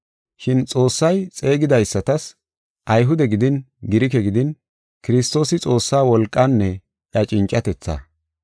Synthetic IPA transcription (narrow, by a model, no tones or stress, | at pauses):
ʃɪnt͡sʼo̞ːsːɐjt͡sʼe̞ːɡɪd̪ɐjsːɐt̪ɐs | ʔɐjɦʊd̪ɛɡɪd̪ɪn | ɡɪɾɪkɛɡɪd̪ɪn | kɪɾɪst̪o̞ːsɪt͡sʼo̞ːsːaːwɔlkʼːɐnːɛ | ʔɐt͡ʃʼɪnt͡ʃʼːɐt̪ɛt͡sːɐ̰